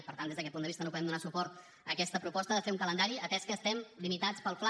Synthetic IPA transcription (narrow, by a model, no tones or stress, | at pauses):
pəɾt̪and̪ezðəkɛt̪pund̪əβist̪nopuðɛmd̪unasupɔɾt̪ | əkɛst̪əpɾupɔst̪əðəfeuŋkələnd̪aɾiəp̪ɛskəːst̪ɛmlimit̪at͡spəlˠfla